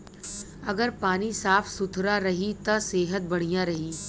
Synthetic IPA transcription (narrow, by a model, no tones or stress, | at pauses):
ɐɡəɾpaːnisaːfʰsʊt̪ʰɾaɾɐɦit̪ɐseːɦət̪̚bɐɽ̤ijãɾɐɦiː